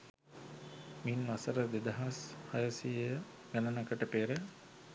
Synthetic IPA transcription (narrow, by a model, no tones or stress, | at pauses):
minʋasəɾəd̪ed̪ɐɦashajəsijə | ɡænɐnakəʈəpeːɾə